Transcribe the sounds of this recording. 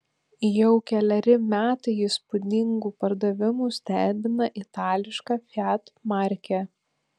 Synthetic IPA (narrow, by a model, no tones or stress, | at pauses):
jɛʊkʲɛlʲɛɾʲɪmʲæːt̪ɐɪɪspʊd̪ʲɪŋɡuːpɐɾd̪ɐʋʲɪmuːsʲt̪ʲæːbʲɪnɐʔɪt̪ɑːlʲɪʃkɑːfʲæt̪mɑɾʲkʲæ